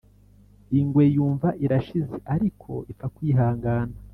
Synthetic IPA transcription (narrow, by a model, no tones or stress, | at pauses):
iŋɡwe̞juːɱvaʔiɾaʃizeʔaɾikʰo̞̰ifakwiːɦaːŋɡaːna